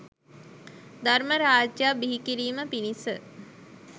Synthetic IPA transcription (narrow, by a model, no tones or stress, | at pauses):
d̪aɾməɾaːd͡ʒjabiɦikiɾiːməpinisə